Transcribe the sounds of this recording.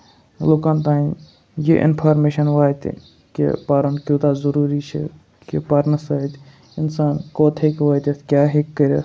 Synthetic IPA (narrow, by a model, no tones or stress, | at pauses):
lokant̪ãːĩ | jiʔɪ̰npʰaːɾmeːʃɐnʋaːt̪ | kḛpaːɾɐnkʲuːt̪aːzɐɾuːɾiːt͡ʃʰḛ | kipɐɾnɐsɐɦt̪ | ɪnsaːnkoːt̪ʰekʋaːt̪et̪kʲjaːɦekːəɾʲḛː